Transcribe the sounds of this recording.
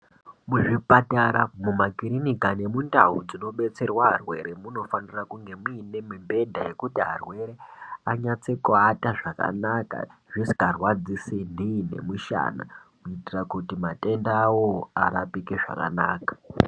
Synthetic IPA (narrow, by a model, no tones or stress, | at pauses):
muʐipataɾamumakiɾinikane̞munda̰ɦud͡zino̞ɓe̞t͡se̞rwaɦarwe̞̰ɾemuno̞fanirakuŋɡe̞muine̞mimbe̞dʱaje̞kutiɦa̰rwe̞ɾeaɲat͡se̞kuataʐaka̰naka̰ʐisi̥karwad͡zisindʱine̞̰muʃa̰na̰kuitirakutimate̞ndaːwoa̰ɾapikeʐa̰ka̰naːkḁ